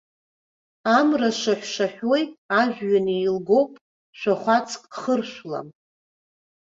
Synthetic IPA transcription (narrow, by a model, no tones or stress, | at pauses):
amraʂaħʷʃaħᶣojaʒᶣɥaniːlɡo̞wpʼ | ʃʷᶣaχʷat͡sʰʼkʼχərʃʷla̰m